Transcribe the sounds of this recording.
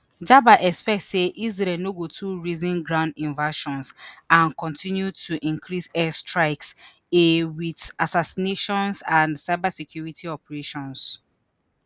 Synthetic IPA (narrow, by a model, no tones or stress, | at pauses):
d͡ʒabaʔɛkspɛk̚tseʔizɾɛnoɡotʰuɹizĩnɡɹãʊ̃ndĩnvaʃɔ̃nsãnkɔ̃ntʰĩnjutʰuʔĩŋkʰɹisɛstɹaɪks | ewidasasineʃɔ̃nsãnsaɪbasikʰjuɹitʰiɔpɛɹeʃɔ̃ns